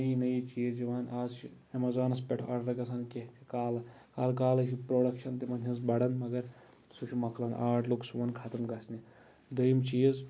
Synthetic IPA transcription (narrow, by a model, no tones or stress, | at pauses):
nɐjinɐjit͡ʃijɐziʋaːnaːzt͡ʃʰi | ɐmɐzaːnɐspʲeʈʰɐɽɾɐɡɐsʰaːnkʲeɦt̪ʲʰikaːlɐ | kaːlkaːlɐsʰipɾoːɽɐkʃɐnt̪imɐnʲɐzbɐɽɐnmɐɡɐɾ | suʃʰimɐkʰlɐnʔaːʈʰluksuʋɐnkʰɐt̪ɐmɡɐsʰni | d̪ɐjmt͡ʃijɐz